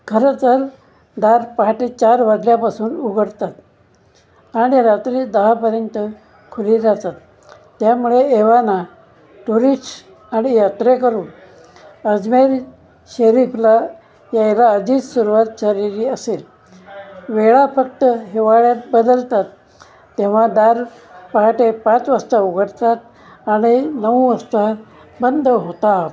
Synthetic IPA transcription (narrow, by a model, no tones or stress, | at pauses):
kʰəɾt͡səɾ | d̪aɾpəɦaʈet͡ɕaɾʋad̪ljapasuːnuɡʱəɽt̪at̪ | aɽ̃iɾat̪ɾiːd̪əɦapəɾjənt̪ə | kʰuliɾat̪at̪ː | jamuɭeeʋana | ʈuɾi | aɽ̃ijat̪ɾekəɾuːn | əd͡zmeɾ | ɕəɾifla | jajlaəd͡ʑiːt̪suɾuʋat̪̚t͡ɕaɾiɾiəsel | ʋeɭafək̚t̪əɦeʋaɭjat̪̚bəd̪əlt̪at̪ː | eʋ̤ad̪aɾ | pəɦaʈepat͡sʋəst̪auɡʱəɾt̪at̪ | aɽ̃inəʋʋəst̪a | bənd̪ʱɦot̪a